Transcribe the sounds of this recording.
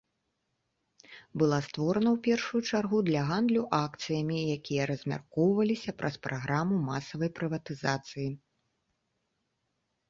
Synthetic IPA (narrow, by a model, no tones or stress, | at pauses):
bɨlˠast̪vɔɾɐnɐwpʲɛrʂujut͡ʂarɣud̪lʲɐɣand̪lʲuʔakt̪sɨjɐmʲijakʲijɐɾɐzʲmʲa̰rkɔwvɐlʲisʲɐpɾʔɐspɾʔaɣɾamumasɐvɐjpɾɨvɐt̪ɨzat̪sɨji